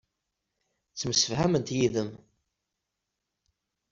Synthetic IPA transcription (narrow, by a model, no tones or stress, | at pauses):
t͡sːməsːə̥fhæmənt̪jiðəm